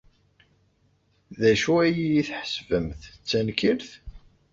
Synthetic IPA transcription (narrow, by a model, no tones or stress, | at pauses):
ðæʃuæjijiθħəsvəmθt͡sːænkiɾθ